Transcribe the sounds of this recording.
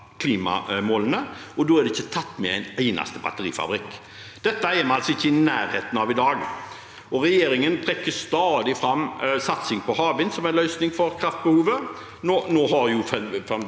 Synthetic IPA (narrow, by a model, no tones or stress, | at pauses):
kʰliːmɑ̰moːlənəɔd̪oːæɾd̪ɛɪçːət̪ʰɑt̪ːmɛæɪnæɪnɑ̰st̪əbɑ̰t̪əɾḭːfɑ̰bɾɪkː | d̪̥ɛt̪ːəæɪmɛnɑlsɔɪçːəɪnæːɾheːt̪ənɑʋɪd̪ɑːɡ | ʔɔɾɛjeːɾɪŋənt̪ʰɾɛkːəst̪ɑːd̪ɪfɾɑmːsɑt̪sɪŋpʰɔhɑːbɪnsɔmænlœʏsnɪŋfɔɾkʰɾɑft̪̚bəhuːʋə | noːnoːɦɑɾjʊfɛfɛm